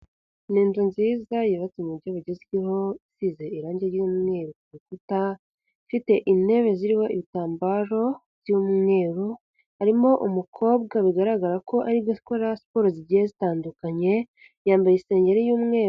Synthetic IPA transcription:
niːnzunziːzajiβat͡simuɟoβuɟeziiɦo̞isize̞iɾaːɲɟeɾjumŋe̞ːɾukuβikuta | fite̞ʔine̞βe̞ziɾiho̞iβitaːmbaɾo̞v̥jumŋe̞ːɾu | aɾimo̞ʔumukʰo̞ːb̚ɡaβiɡaɾaɡaɾako̞ʔaɾiβbɟoskoɾaspoɾoziɾɟiezitaːndukaɲe̞ | jaːmbajese̞ːɲɟe̞ɾejuːmŋe̞ː

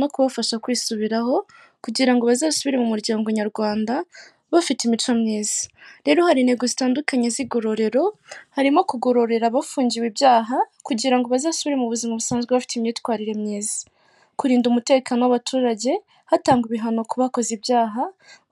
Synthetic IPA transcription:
nokuβafaʃakwiːsuβiɾaho̞ | kuɟiɾaŋɡoβazasuβiɾe̞mumuɾɟaːŋɡo̞ɲaɾɡwaːnda | βafitimit͡ʃwamɲiːzi̥ɾe̞ːɾo̞haɾine̞ɡozitaːndukaɲeziɡo̞ɾo̞ɾe̞ɾo̞haɾimo̞kuɡo̞ɾo̞ɾe̞ɾaβafuːɲɟiwibjaːɦakuɟiɾaŋɡoβazasuβiɾe̞muβuzimaβusaːnzɡweβafi̥timɲetkwaːɾiɾe̞mɲiːzḁ | kuɾiːndumute̞kanowaβatʰuːɾaɟe̞ | hataːŋɡwiβiɦano̞kuβako̞zibjaːɦa

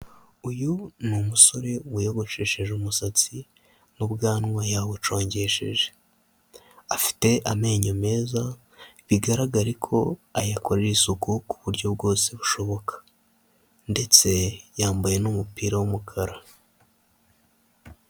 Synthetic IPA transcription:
ujunumuso̞ɾe̞uβujo̞ɡo̞ʃe̞ːʃe̞ʒemusat͡si | nubɡaːnŋwajaβut͡ʃo̞ːɲɟe̞ʃe̞̰ʒe̞ | afi̥te̞ʔame̞ːɲome̞ːza | βiɡaɾaɡaɾikʰo̞̰ajakʰoɾɾisukuku̥βuɾɟo̞bɡo̞ːse̞βuʃo̞βo̞kʰḁ | nde̞t͡se̞jaːmbaje̞numupiːɾawumukʰaɾa

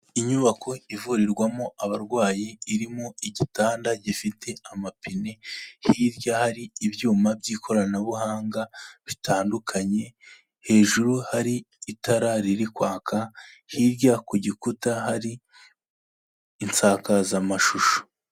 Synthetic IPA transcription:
iɲuβakʰo̞ivuɾiɾɡwamoaβaɾɡwaːjiiɾimoiɟitaːndaɟifitʰe̞amapʰine̞hiːɾɟahaɾiːβjuːmabɟiːkʰo̞ɾanaβuhaːŋɡaβitʰaːndukʰaɲe̞ | he̞ːʒuɾuhaɾiː | taɾaɾiɾikwaːkʰahiɾɟakoɟikutahaɾi | nt͡saːkazamaʃuʃo̥

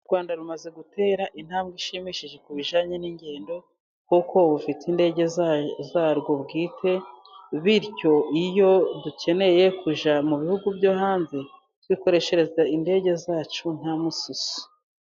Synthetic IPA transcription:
uɾɡwaːndaɾumaze̞ɡute̞ːɾaʔin̥haːmɡiʃimiʃiʒe̞kuβiʒaːɲeniɲɟe̞ːndo̞ | kukʰo̞βufitinde̞ːɟe̞zzaːɾɡo̞bɡiːtʰe̞βiɾco̞ʔijo̞ducʰe̞ne̞je̞kʰuʒamuβihuɡuvjohaːnze | twiko̞ɾe̞ʃe̞ɾe̞zainde̞ːɟe̞zaːt͡ʃun̥hamususu̥

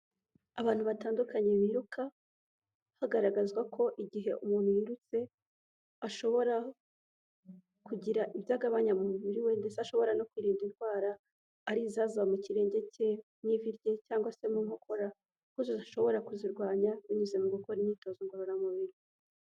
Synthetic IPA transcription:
aβaːn̥huβataːndukaɲemiɾukʰa | haɡaɾaɡazɡwakʰo̞ʔiɟiɦe̞ʔumuːn̥hujiɾut͡se̞ | aʃo̞βo̞ɾa | kuɟiɾaʔiβjaːɡaβaɲamumuβiɾiwe̞nde̞seaʃo̞βo̞ɾano̞kwiːɾiːndinɡwaːɾaː | ɾizazaβamuciɾe̞ːɲɟe̞ce̞mɲiviɾɟe̞caːŋɡwase̞muŋho̞kʰo̞ɾa | kuzoziʃo̞βo̞ɾakuziɾɡwaːɲaβiɲuzemuɡukoɾimɲiːto̞ːzoŋɡoɾonamuβiɾi

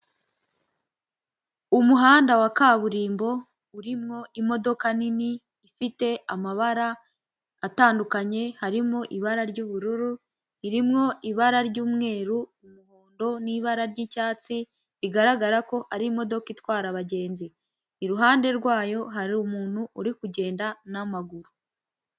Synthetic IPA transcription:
umuɦaːndawakaːβuɾiːmbo̞ | uɾimŋo̞ʔimo̞do̞kaniniː | fite̞amaβaɾaː | taːndukaɲe̞haɾimŋoʔiβaɾaɾɟuːβuɾuɾu | iɾimŋo̞ʔiβaɾaɾɟuːmŋe̞ːɾuːmuhoːndo̞niβaɾaɾɟicaːt͡si | βiɡaɾaɡaɾako̞ʔaɾimo̞do̞kitwaːɾaβaɟe̞ːnziː | ɾuɦaːnde̞ɾɡwaːjo̞ɦaɾiumuːn̥huʔːɾikuɟe̞ːndanamaɡuɾu

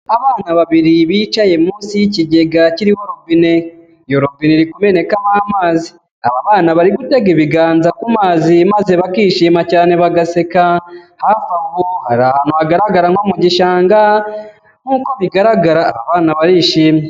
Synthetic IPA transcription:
aβaːnaβaβiɾiβiːt͡ʃaje̞muːsiciɟe̞ɡaciɾiwoɾo̞vine̞ | jo̞ɾovineɾikume̞ne̞kamaːmaːzi | aβaβaːnaβaɾiɡute̞ɡeβiɡaːnzakumaːzimaze̞βakiːʃiːmacaːne̞βaɡase̞kahaːfauɡohaɾahanoaɡaɾaɡaɾaŋo̞muɟiʃaːŋɡa | ŋ̥uːkoβiɡaɾaɡaɾa̰ːβa̰βaːnaβaɾiʃiːme

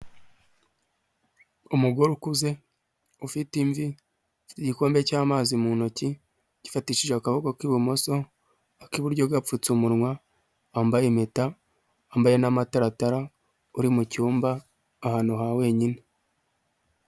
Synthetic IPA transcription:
umuɡo̞ɾukuze̞ | ufitiɱvi | fi̥tiɟiko̞ːmbe̞caːmaːzimunoci | ɟ̥ifatiʃiʒeakaβoɡokiβumo̞so̞ | akiβuɾɟobɡap͡fut͡sumuɾŋwaː | mbajemetaː | mbaje̞namataɾataɾa | uɾimucuːmbaː | haːnhuɦawe̞ːɲine

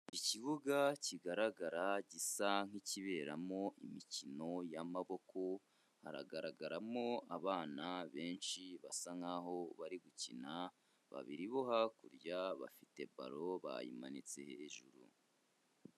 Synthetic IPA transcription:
iciβuɡaciɡaɾaɡaɾaɟisaŋ̥hiciβe̞ɾamo̞ʔimicino̞jamaβo̞kʰo̞ | ha̰ɾa̰ɡaɾaɡaɾamo̞aβaːnaβe̞ːnʃiβasaŋaɦo̞βaɾiɡucina | βa̰βiɾiβoɦakuɾjaβa̰fite̞ba̰ɾo̞βa̰jḭma̰nit͡seheːʒuɾṵ

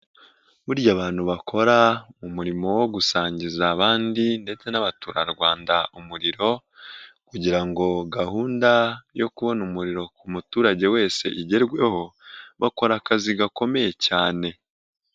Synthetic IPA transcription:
βuɾɟaːβaːn̥huβakʰo̞ɾamumuɾimo̞wo̞ɡusaːɲɟizaːβaːndinde̞t͡se̞naβatuɾaɾɡwaːndaumuɾiɾo̞ | kuɟiɾaŋɡo̞ɡahuːndajo̞kuβo̞numuɾiɾo̞kumutuːɾaɟe̞we̞ːse̞̰ʔiɟe̞ɾɡwe̞ho̞βako̞ɾakaziɡako̞me̞je̞caːne̞

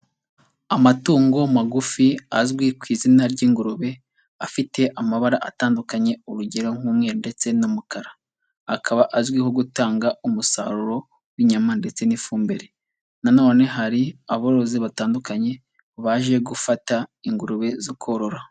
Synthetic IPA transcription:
amatuːŋɡo̞maɡufiazɡwikwiːzinaɾɟiːŋɡuɾuβe̞ | afite̞ʔamaβaɾaʔataːndukaɲe̞uɾuɟeɾoŋ̥uːmŋe̞ːɾunde̞t͡se̞numukaɾaː | kʰaβaʔazɡwiho̞ɡutaːŋɡaumusa̰ːɾuɾo̞ | wiɲamande̞t͡se̞nifuːmbe̞ɾe̞ | nanoːne̞ɦaɾiaβoɾo̞ziβataːndukaɲe̞ | βaʒe̞ɡufataiŋɡuɾuβe̞zokʰoɾo̞ɾa

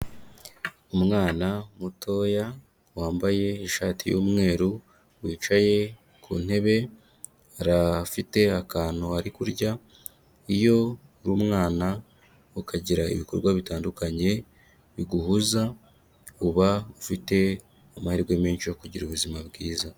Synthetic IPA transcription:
umŋaːnamutʰo̞ːja | waːmbaje̞iʃaːtijo̰ːmŋe̞ːɾu | wiːt͡ʃaje̞ | kʰṵːn̥he̞βe̞ | aɾafite̞akaːn̥oaɾikuɾɟa | ijo̞ɾuːmŋaːna | ukaɟiɾaḭβikoɾɡwaβitaːndukaɲe̞ | βiɡuhuza | uβaufite̞ | amahiɾɡwe̞meːɲʃiokuɟiɾuβuzimabɡiːza

